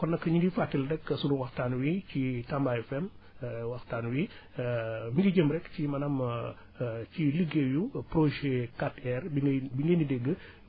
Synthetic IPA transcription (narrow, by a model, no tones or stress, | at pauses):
kɔnːɐkːɐɲuɡifatːildɛkːəsunuwɐxtaːnwicitɐmbaɛfɛm | wɐxtaːnwi | miŋɡiɟəmɾɛkcimɐnɐm | ciliɡejupɾoʒekatɛrbibiŋɡenidɛɡə